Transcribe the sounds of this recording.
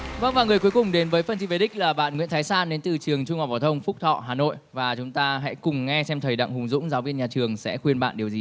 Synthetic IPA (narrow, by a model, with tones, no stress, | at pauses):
və˧ŋvaː˨˩ŋɨ˨˩əjku˨˦jkʊ˨˩ŋ͡mɗe˨˦nvəː˨˦jfə˧nt͡ɕʰi˧ve˨˧˩ɗï˦˥k̟̚laː˨˩ɓa̰ː˧˨nŋwḭ˧˥nt̪ʰːjsaː˧nɗe˨˦nt̪ɨ˨˩t͡ɕɨ˨˩əŋt͡ɕʊ˧ŋ͡mhɔ˨˩vaː˨˩t̪ʰə˧wŋ͡mfʊ˦˥k͡p̚t̪ʰɔ̰˧˨ɦaː˨˩no̰˧˨jvaː˨˩t͡ɕʊ˨˦ŋ͡mt̪aː˧ɦa̰˧˥kʊ˨˩ŋ͡mŋɛ˧sɛ˧mt̪ʰəː˨˩jɗa̰˧˨ŋhʊ˨˩ŋ͡mzʊ̰˧˥ŋ͡mzaː˨˦wvi˧ənɲaː˨˩t͡ɕɨ˨˩əŋsɛ̰˧˥xwi˧ənɓa̰ː˧˨nɗi˨˩əzi˨˩